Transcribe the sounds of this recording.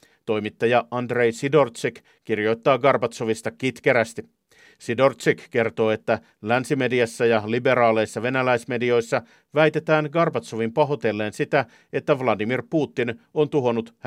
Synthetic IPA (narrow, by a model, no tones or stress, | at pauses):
t̪o̞jmit̪ːɑjɑɑnd̪re̞jsido̞rt̪sik | kirjo̞jt̪ːɑːɡɑrpɑt̪soʋist̪ɑkit̪ke̞ɾæst̪i | sido̞rt̪sikke̞rt̪o̞ːe̞t̪ːæ | lænsime̞diɑsːæjɑlibe̞ɾɑːle̞jsːɑʋe̞nælæjsme̞dio̞jsːɑ | ʋæjt̪e̞t̪æːnɡɑrpɑt̪so̞ʋimpɑɦo̞t̪e̞lːe̞ːnsit̪æ | e̞t̪ːæʋlɑdimirpuːt̪ːino̞nt̪uɦo̞nut̪h